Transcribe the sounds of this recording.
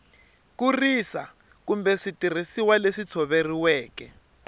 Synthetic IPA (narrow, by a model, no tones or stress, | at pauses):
kurisa | kumbɛʂitir̤isiwaleʂit͡sʰɔβeriwɛːkɛ̰